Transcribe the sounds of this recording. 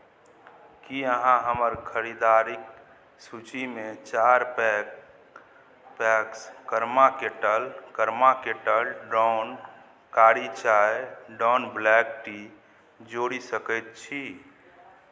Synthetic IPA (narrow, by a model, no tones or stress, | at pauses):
kiəɦãɦəməɾkʰəɾid̪aɾik̚ | sut͡ʃimet͡ʃaɾp | pɛkskəɾmakeʈəlkəɾmakeʈəlɖɾɔn | kaɾit͡ʃajɖɔnblɛkʈi | d͡ʒoɽisəkət̪̚t͡ʃʰi